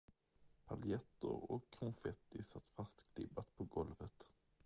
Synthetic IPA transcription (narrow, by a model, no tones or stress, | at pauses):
pʰaljɛt̪ːə̰ɾɔkʰːɾʊŋfɛt̪ːɪsat̪ːfast̪kʰlɪbːat̪pʰɔɡɔlvət̪